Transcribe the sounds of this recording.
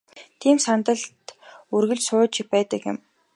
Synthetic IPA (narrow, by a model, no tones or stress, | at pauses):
t̪ʰiːmsant̪ə̆ɮt̪urɣɵ̆ɮt͡ɕsʊːt͡ɕɪpæːt̪ə̆kɪ̰̆m